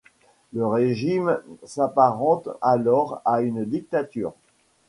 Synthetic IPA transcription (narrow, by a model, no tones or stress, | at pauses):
ləʁeʒimsapaʁɑ̃t̪alɔʁaynd̪ik̚t̪at̪y̰ːʁ